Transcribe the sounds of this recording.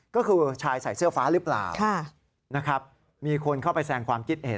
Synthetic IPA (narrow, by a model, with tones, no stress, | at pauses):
kɔː˥˩kʰɯː˧t͡ɕʰaː˧jsa̰˨˩˦jsɯ˥˩ɐfaː˦˥ɾɯː˦˥pla̰ː˨˩wʰa˥˩ | na˦˥kʰɾa˦˥p̚ | miː˧kʰo˧nkʰa˥˩wpa˧js̬ɛː˧ŋkʰwaː˧mkʰi˦˥t̪̚hḛ˨˩